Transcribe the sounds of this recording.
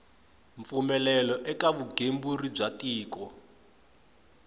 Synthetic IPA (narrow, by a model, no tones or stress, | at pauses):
ɱfumɛlɛlɔʔɛkaβuɡʱemburib͡ʐatiːkɔ